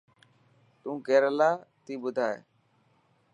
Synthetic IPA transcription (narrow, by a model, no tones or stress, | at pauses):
t̪ũːkeːɾəlaːt̪iːɓʊd̪ʱaːḛː